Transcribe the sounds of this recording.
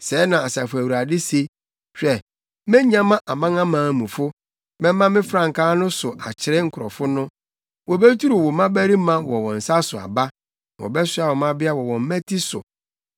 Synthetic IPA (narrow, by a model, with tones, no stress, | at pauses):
sɛː˨˦nã˨a˨sa˨fʊ˨æ˨wu˨ɾa˨dɪ˦se˦ | ɕᶣɛ˨ | mɛ̃˦ɲ˦ã˦mã˦ʔa˨mã˦ŋã˦mãː˨˦˨mũ˨fʊ˦ | mɛ̃˦mã˦mɪ̃˦fɾã˨ŋ̩˨kʰaː˦nʊ̃˦sʊ˨ʔa̰˨t͡ɕʰɪ˨ɾɛ˦ŋ̩˨kʰʊ˨ɾɔ˨fʊ˦nʊ̃˦ | wɔ˨bɛ˦tʰu˦ɾu˨wɔ˨mã˦bæ˦ɾi˦mã˦wɔ˨wɔ̃˨n̩˨sa˦sʊ˨a̰˨ba˦ | wɔ̰˨bɛ˦sa˨wɔ˨mã˦bɪ˦a˦wɔ˨wɔ̃˨m̩˦mɛ̃˦tʰi˦sʊ̰˨